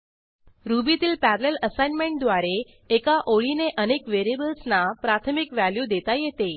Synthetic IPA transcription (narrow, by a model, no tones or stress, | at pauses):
ɾubit̪iːlpæɾleləsajnmẽɳʈ̚d̪ʋaɾeː | kaʔoɭineʔənekʋeɾiebəlsnapɾat̪ʰəmikʋæljud̪et̪ajet̪e